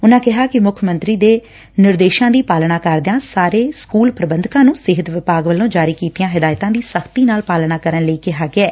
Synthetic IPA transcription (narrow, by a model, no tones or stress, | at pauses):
ʊnãːkɪɦaːkɪmʊkʰmə̃nt̪ɾiːd̪eː | nɪɾd̪eːʃãːd̪iːpaːlnaːkəɾd̪ãːsaːɾeːskuːlpɾəbənd̪kãːnũːsɪɦət̪ʋɪpaːɡʋəlːõːd͡ʒaːɾiːkiːt̪ijãːɦɪd̪aːjɪt̪ãːd̪iːsəkʰt̪iːnaːlpaːlnaːkəɾənləiːkɪɦaːɡɪɛː